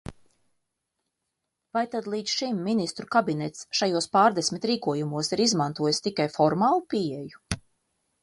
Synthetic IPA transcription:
vajt̪ad̪lˠiːt̪sʃimːinist̪ɾukabinɛt̪sʃajuɔspaːɾd̪esʲmit̪ɾiːkuɔjumuɔsiɾizmant̪uɔjst̪ikajfɔɾmaːlˠupiɛju

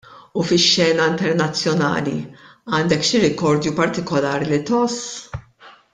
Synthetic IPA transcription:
ufɪʃːɛːnɐɪnt̪ɛɾnɐt͡sːjɔnɐ̰ːlḭɐːnd̪ɛkʃɪɾɪkɔɾd̪jupɐɾt̪ɪkɔlɐːɾlit̪ɔs

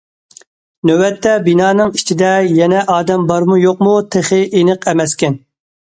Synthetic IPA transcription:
nøwɛt̪ʰːɛbinɑːnɨŋit͡ʃʰid̪ɛjɛnɛʔɑːd̪ɛmbɑɾmujoq̚mut̪ʰeχɪʔenɨqʰɛmɛskʲɛn

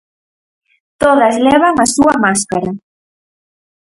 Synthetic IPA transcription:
t̪oðazlɛβ̞aŋasuamaskaɾa

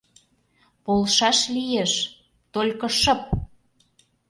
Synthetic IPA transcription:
polˠʃɑʃlijeʃ | t̪olʲkɤ̆ʃɤ̆p̚

